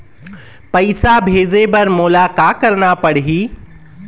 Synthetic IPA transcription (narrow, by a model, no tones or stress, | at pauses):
pɐɪsabʱeːzepɐɾmoːlakakɐɾnapɐɽ̤iɦiː